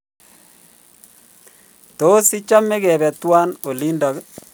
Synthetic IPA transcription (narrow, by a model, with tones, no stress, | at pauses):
to˦si˦t͡ʃa˦me˦kɛ˨bɛ˨twa˦no˨li˦ndɔ˨k